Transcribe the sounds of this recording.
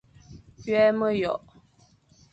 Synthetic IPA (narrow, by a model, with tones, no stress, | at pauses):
pɥɛ˦mə˦jɔ˨ʔ